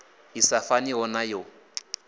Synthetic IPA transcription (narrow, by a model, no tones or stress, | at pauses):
isafaniɔnajo